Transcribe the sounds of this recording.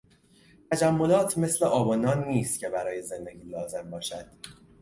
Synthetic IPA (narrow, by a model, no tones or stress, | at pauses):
t̪ʰæd͡ʒæmːo̞lɒːt̪ʰme̞sle̞ʔɒːbɒːnɒːnːiːst̪cʰe̞bæɾɒːje̞ze̞nd̪e̞ɟʲiːlɒːze̞mbɒːʃæd̪̥